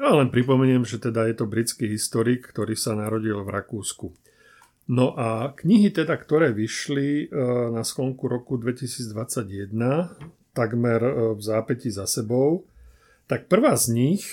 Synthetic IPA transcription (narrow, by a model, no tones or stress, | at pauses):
jalɛnpɾipɔmɛɲɪɛmʒɛt̪ɛd̪ajɛt̪ɔbɾit͡skiːɦist̪ɔɾiːkkt̪ɔɾiːsanaɾɔɟilvɾakuːsku | nɔʔakɲiɦit̪ɛd̪akt̪ɔɾɛːʋiʃlinaskɔŋkuɾɔkud̪ʋɛcisiːd͡zd̪ʋat͡saɟjɛd̪na | t̪aɡmɛɾvzaːpɛcizasɛbɔʊ | t̪ak̚pr̩ʋaːzɲix